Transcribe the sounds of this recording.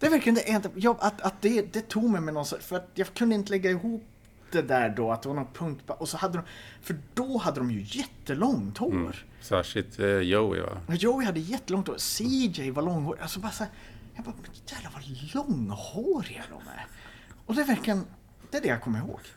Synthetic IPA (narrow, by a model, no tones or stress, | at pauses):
d̪ɛvæɾklɪənd̪ɛʔɛnd̪jɑʔat̪at̪̚d̪ɛd̪ɛt̪ʰuːɡmɛjmɛnɔnsɔfœɾat̪jɑkʰɵnd̪əɪnt̪əlɛɡːaɪɦuːp̚ | d̪ɛd̪æːɖɔat̪̚d̪ɛvaɾɳɔnpʰɵŋk̚t̪bʰɔʔɔsɔhad̪ːəd̪ɔmfœɖɔhad̪ːəd̪ɔmjɵjɛt̪ːəlɔŋt̪ʰoːɾ | sæ̰ʂɪt̪ʰːjoɪ̰va̰ajoʊɪhad̪ːəjɛt̪ːəlɔŋt̪ʰoːsid͡ʒɛɪvalɔŋːhoːɾɪʔasɔbɑːɾasæːɾjɑɡbɑːɾmɛnjæːd̪lavalɔŋːhoːɾɪa̰d̪ɔ̰mɛ̰ | ɔd̪ɛvæɾklɪən | d̪̥ɛæɖɛjakʰɔmːəɾɪɦo̰ːɡ̥